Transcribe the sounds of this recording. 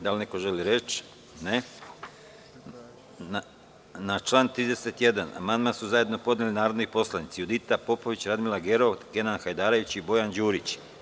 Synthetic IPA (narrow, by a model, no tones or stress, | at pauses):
d̪alneko̞ʒe̞liɾe̞t͡ʃ | ne | a | nat͡ʃlˠaːnt̪ɾiːd̪e̞se̞t̪je̞d̪ana̰mand̪mansuzajed̪no̞po̞d̪nʲelinaːɾod̪nipo̞slˠanit̪siud̪it̪apo̞po̞ʋit͡ɕɾad̪milaɡeɾo̞ke̞nanxajd̪aːɾoit͡ɕibo̞jand͡ʑuːɾit͡ɕ